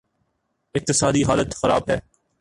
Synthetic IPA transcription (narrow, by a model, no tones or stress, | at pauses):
ɪq̚t̪ɪsaːd̪iɦaːlət̪xɐɾa̰ːbɦɛː